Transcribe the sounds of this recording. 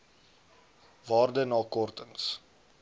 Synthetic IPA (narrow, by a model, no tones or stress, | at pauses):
vɑːrdənɑːkɔrtəns